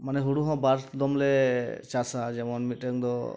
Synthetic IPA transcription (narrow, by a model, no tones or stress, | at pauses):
manɛɦuɽuɦɔ̃baɾt̪d̪ɔmlɛt͡ʃasad͡ʒɛmɔnmiʈɛŋd̪ɔ